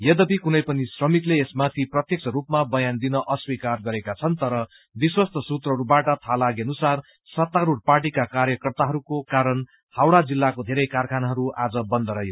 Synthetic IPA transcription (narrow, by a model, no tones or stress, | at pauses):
jʌd̪ʌpikunʌjpʌnisrʌmit̪leːsmat̪ʰiprʌt̪jʌkt͡sʰʌɾupmabʌjand̪inʌʔʌswikarɡʌɾekat͡sʰʌnt̪ʌɾʌ | biswʌst̪ʰʌsut̪rʌɦʌɾubaʈʌt̪ʰalaɡeʌnusar | sʌt̪ːaɾuɽ̚parʈ̬ikakaɾjʌkʌrt̪aɦʌɾukokaɾʌn | hawɽad͡zilːakod̪ʱeɾʌjkarkʰanaɦʌɾuʔad͡zʌbʌnd̪ʌɾʌɦjo